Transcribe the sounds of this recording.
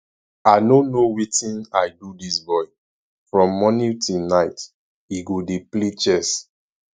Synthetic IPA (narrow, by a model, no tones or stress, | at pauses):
aɪnõnowitĩnaɪdudisbɔɪ | fɹɔ̃mːɔnĩtilnaɪt | iɡodeplet͡ʃɛs